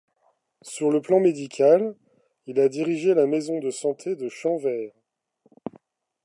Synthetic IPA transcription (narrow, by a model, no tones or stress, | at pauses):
syʁləplɑ̃med̪ikʲʰal | ilad̪iʁiʒelamezɔ̃d̪əsɑ̃t̪ʰed̪əʃɑ̃vɛːʁ